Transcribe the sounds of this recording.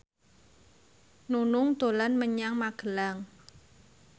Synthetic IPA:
nunʊŋd̪̥o̤lanməɲaŋmaɡ̥əlaŋ

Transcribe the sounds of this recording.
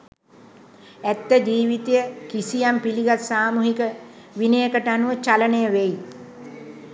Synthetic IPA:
æt̪ːəd͡ʒiːʋit̪ejəkisijampiliɡat̪saːmuɦikə | ʋinəjəkəʈəanuʋət͡ʃalənəjəʋeji

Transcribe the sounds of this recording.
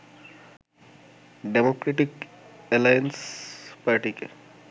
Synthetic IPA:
ɖemokɾeʈikelajenspaɾʈike

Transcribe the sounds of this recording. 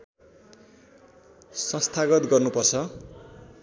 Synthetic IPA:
sʌ̃st̪ʰaɡʌt̪ɡʌrnupʌrt͡sʰʌ

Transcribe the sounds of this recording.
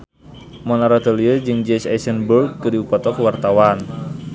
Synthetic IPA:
mɔnaɾat̪əliəd͡ʒɨŋd͡ʒɛsa̰sənburɡ̚kədiupɔt̪ɔkəwart̪awan

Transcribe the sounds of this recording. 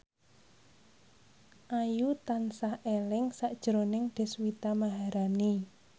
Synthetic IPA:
ʔajut̪ansahelɪŋsaʔd̥ʒ̥ɾonɪŋd̪̥e̤swit̪amaɦaɾani

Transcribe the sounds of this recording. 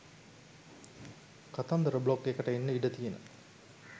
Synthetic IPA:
kat̪ɐnd̪əɾəbɭokːekɐʈɐenːəiɖət̪ijenə̰

